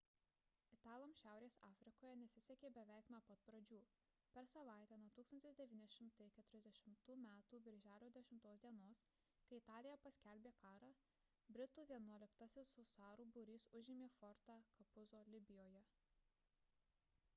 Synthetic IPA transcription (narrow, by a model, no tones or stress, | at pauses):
ɪt̪ɑːlˠɐmʃʲæˑʊɾʲeːsɑːfʲɾʲɪkoːjɛnʲɛsʲɪsʲɛkʲeːbʲɛʋʲæˑɪknuɔpɐt̪̚pɾɐd͡ʒʲuː | pʲɛɾsɐʋɑˑɪt̪ʲæːnuɔt̪uːksɐnt̪ʲɪsd̪ʲɛʋʲiːnʲɛʃʲɪmt̪ɐɪkʲɛt̪ʊɾʲɛzd̪ʲɛʃʲɪmt̪uːmʲæːt̪uːbʲɪɾʲʒʲæːlʲoːd̪ʲɛʃʲɪmt̪oːsd̪ʲiɛnoːs | kɐɪɪt̪ɑːlʲɪjɛpɐsʲkʲælʲbʲeːkɑːɾɑː | bʲɾʲɪt̪uːʋʲiɛnuɔlʲɪkt̪ɐsʲɪsʊsɑːɾuːbʊɾʲiːsʊʒʲɪmʲeːfɔɾt̪ɑːkɐpʊzoːlʲɪbʲɪjoːjɛ